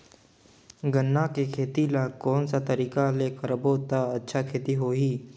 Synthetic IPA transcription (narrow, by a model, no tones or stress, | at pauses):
ɡənːakekʰeːt̪ilakɔːnsat̪əɾiːkalekəɾboːt̪aətːʃʰakʰeːt̪iɦoːɦiː